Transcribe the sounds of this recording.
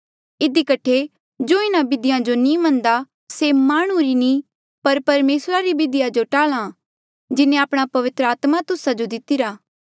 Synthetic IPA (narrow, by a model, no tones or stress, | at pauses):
ɪd̪ikɐʈʰːe | d͡ʒoːɪnãbɪd̪ɪjãd͡ʒonĩmɐ̃nd̪a | semaːɽ̃uɾinĩ | pɐɾpɐɾmeːsɾaɾibɪd̪ɪjad͡ʒoʈaːlã | d͡ʒɪnẽaːpɽ̃apɐʋɪt̪ɾəaːt̪mat̪ʊsad͡ʒod̪ɪt̪ɪɾaː